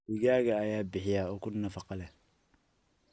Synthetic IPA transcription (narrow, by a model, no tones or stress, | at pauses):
ɪɣaːɣɐːjaːbɪħɪjaːɔːkʰʊnɐfɑqɑlɛ